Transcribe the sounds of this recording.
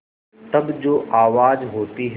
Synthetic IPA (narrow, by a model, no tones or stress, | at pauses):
t̪ɐbd͡ʑoːʔaːʋaːzɦoːt̪iɦ